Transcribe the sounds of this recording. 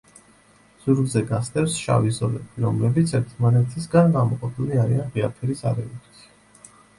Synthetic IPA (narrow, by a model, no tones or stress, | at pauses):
z̥uɾɡzɛɡast̪ʼɛfsʃa̰vizɔlɛbiɾɔmlɛbit̪sʰɛɾt̪ʰmanɛt̪ʰisɡanɡamɔqʼɔpʰiliaɾianʁiapʰɛɾisa̰ɾɛukt̪ʰi̥